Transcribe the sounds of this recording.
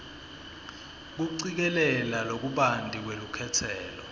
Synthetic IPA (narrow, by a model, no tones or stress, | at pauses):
k̬uǀik̬ɛlɛlalok̬uɓandʱʼik̬welukʰɛtʰɛːlɔ